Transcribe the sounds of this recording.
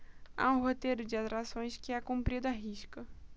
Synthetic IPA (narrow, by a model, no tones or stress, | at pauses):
a̰ũɦot̪ejɾʊd͡ʒɪat̪ɾasõj̃skɪakũmpɾid̪ʊaɦiʃkɐ